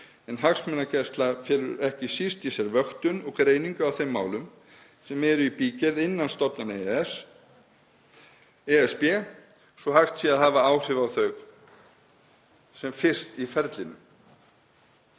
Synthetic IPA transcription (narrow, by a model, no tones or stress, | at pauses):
ɛnɦaksmɛnacɛst̪lafjɛːɾʏ̰ɾɛhcɪsist̪isɛɾvœxt̪ʏnɔɣkɾeːjniŋkʏawθejmːa̰ːwlʏm | sɛmɛɾʏipiːcɛðɪnːanst̪ɔpnans | ɛɛspɛ | sɔhaxt̪siaðɦaːvaaːwr̥ɪvawθœɥɣ | sɛmfɪr̥st̪ifɛɾt̪lɪnʏ̰m